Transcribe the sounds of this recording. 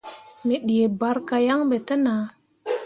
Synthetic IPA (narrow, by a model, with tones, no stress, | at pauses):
mi˨ɗi˨je˨ba˦ɾka˧ja˦ŋɓe˨tə˦naː˨˦